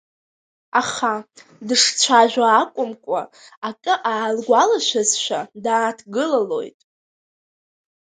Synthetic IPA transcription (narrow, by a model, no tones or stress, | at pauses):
aχadɨʂt͡sʷʰaʒᶣʷaːkʷʼʊmkʷʼa̰akʼɨʔaːlɡʷalaʃʷᶣazʃʷᶣadaːtʰɡɨlalo̞̰jtʼ